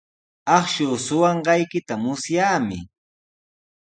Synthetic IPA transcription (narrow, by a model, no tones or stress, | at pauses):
ɑχʃʊːsʊwɑɴɢɑjkɪt̪amʊsjaːmɪ